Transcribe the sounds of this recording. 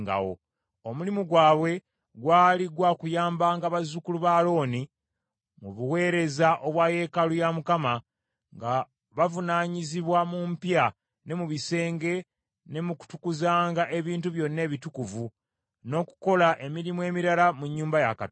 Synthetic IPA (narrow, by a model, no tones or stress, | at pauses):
ŋɡa̰wo̰ | omulimuɡwaːβwe̞ | ɡwaːliɡwakujaːmbaːŋɡaβazukuluβaːlo̞ːni | muβuwe̞ːɾe̞zaʔo̞βwaje̞ːkalujamukama | ŋɡa | βavunaːɲiziβwamumpja | ne̞muβise̞ːŋɡe̞ | ne̞muku̥tukuzaːŋɡaʔe̞βiːntuβjo̞nːe̞ːβitukuvu | no̞ku̥ko̞laʔe̞miɾimwe̞ːmiɾalamuɲːuːmbaja̰ka̰t